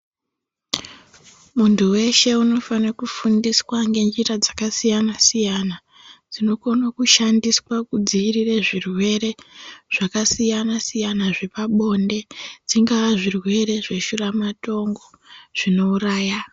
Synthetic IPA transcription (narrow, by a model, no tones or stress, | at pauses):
muntuwe̞ʃe̞uno̞fanakufundiswaŋɡe̞nd͡ʒirad͡zakasijanasijana | d͡zino̞ko̞nokuʃandiswakud͡ziirireʐirwe̞re̞ʐ̥akasijanasijanaʐepaɓo̞nde̞d͡ziŋɡaʋaʐirwe̞re̞ʐe̞ʃuramato̞ŋɡo̞ | ʐ̥ino̞uraːja